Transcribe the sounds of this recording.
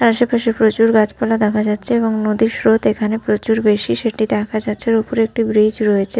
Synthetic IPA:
aɾaʃepaʃepɾot͡ɕuɾɡad͡ʑpalad̪ɛkʰad͡ʑatːɕʰeeboŋnod̪iʃɾot̪ekʰanepɾot͡ɕuɾbeʃiʃeʈid̪ɛkʰad͡ʑatːɕʰeɾopoɾek̚ʈibɾid͡ʑɾojet͡ɕʰe

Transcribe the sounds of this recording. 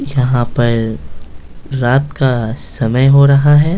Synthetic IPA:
jɐɦãpɐɾ | ɾaːt̪kasɐməjɦoɾɐɦaɦɛː

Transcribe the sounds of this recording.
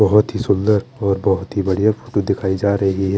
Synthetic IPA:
bɐɦʊt̪ɦisʊld̪əɾɔːɾbɐɦʊt̪ɦibɐɽijafʰo̥ːʈud̪ɪkʰaːid͡ʒaːɾɐɦiɦɛ

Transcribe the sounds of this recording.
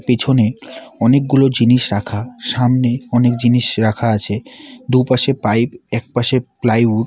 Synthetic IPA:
pet͡ɕʰoneɔnek̚ɡulod͡ʑiniʃɾakʰaʃamneɔnek̚d͡ʑiniʃɾakʰaat͡ɕʰed̪upaʃepajpɛk̚paʃeplajuʈ̚

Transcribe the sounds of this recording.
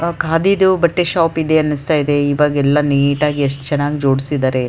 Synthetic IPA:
kaːd̪id̪ubɐʈːeʃaːpid̪eɐnːist̪aːjid̪e̞iːʋaːɡɛlːɐniːʈaːɡieʂʈɐ̥t͡ʃɛnːaːɡid͡ʒo̞ːɽisid̪aːɾe̞

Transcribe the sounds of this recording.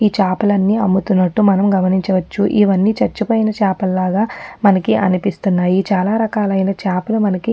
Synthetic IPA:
iːt͡ʃaːpɐlɐnːiːɐmːut̪unːɐʈːumɐnɐmɡɐmɐniɲt͡ʃɐʋɐt͡ʃːuʔḭʋɐnːit͡ʃɐɾt͡ʃːupɐːjnɐt͡ʃaːpɐlːaːɡaːmɐnɐkiʔɐ̰nipist̪unːaːjiːt͡ʃaːlaːɾɐkaːlɐjnɐt͡ʃaːpɐlumɐnɐki

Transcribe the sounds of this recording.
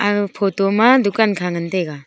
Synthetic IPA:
apʰɔtɔmadukankʰaŋɯnteɡa

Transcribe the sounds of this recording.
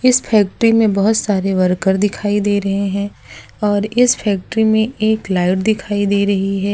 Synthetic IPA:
ɪsfʰɛːk̚ʈɾimẽbɐɦʊt̪saːɾeʋɐɾkəɾd̪ɪkʰaːid̪eːɾɐɦeɦɛ̃ː | ɔːɾɪspʰɛːk̚ʈəɾimẽeːklaːɪʈd̪ɪkʰaːid̪eːɾɐɦiɦɛː

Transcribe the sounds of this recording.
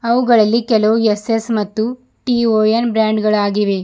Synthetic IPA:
ɐʋuɡɐɭɐlːikɛlɐʋuesesmɐt̪ːu | ʈioːjenbɾaːɳɖɡɐɭaːɡiʋe̞

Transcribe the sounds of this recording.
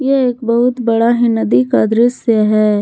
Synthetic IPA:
jeeːk̚bɐɦʊt̪bɐɽaɦɪnɐd̪ikad̪ɾɪsjəɦɛː

